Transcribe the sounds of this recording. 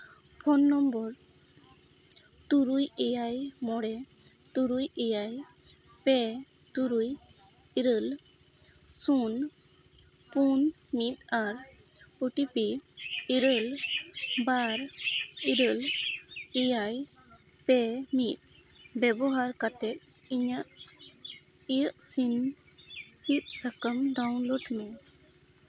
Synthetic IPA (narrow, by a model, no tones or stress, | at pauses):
pʰɔnːɔmbɔɾ | t̪uɾujɛjajmɔɽɛ | t̪uɾujɛjaj | pɛ | t̪uɾuj | iɾəl | sun | pun | mit̪̚aɾ | əʈipiiɾəl | baɾiɾəl | ijaj | pɛmit̪̚ | bɛbɔɦaɾkat̪ɛt̪̚ | iɲaʔ | iəʔsin | sit̪̚səkəmɖawnloɖmɛ